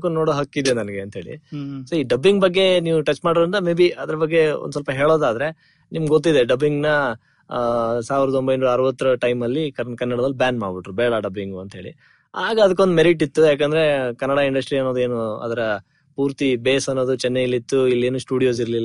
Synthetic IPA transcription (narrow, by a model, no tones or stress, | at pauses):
konnːoːɽoɦɐkːid̪enɐnɐɡe̞ɐnt̪ɦe̞ːɭḭsoiːɖɐbːiŋɡbɐɡːe̞niːʋuʈɐt͡ʃːmaːɽd̪ɾint̪ɐmebiɐd̪ɐɾɐbɐɡːe̞o̰nd̪sɐlpɐɦe̞ːɭoːd̪aːd̪ɾe̞ | nimɡɡot̪ːid̪e̞ɖɐbiŋɡnɐ | saːʋiɾɐd̪uo̞mbɐjnːɐɾɐʋɐt̪ːɐɾɐʈɐjmɐlːikɐkɐnːɐɽɐd̪ɐlːubjaːnmaːɽbiʈɾubɛːɭɐɖɐbːiŋɡuɐnt̪ɦeːɭḭ | aːɡɐːd̪ɐkeo̞nd̪meɾiʈ̬ːit̪ːujaːk̬end̪ɐɾe̞kɐnːɐɽaiɳɖɐsʈɾiɐnːo̞ːd̪ue̞ːnuɐ̰d̪ɐɾɐ | puːɾt̪ibeːsɐnːo̞ːd̪ut͡ʃɛnːeilːit̪ːuilːeːnuːsʈuːɽijoːsiɾɐlilː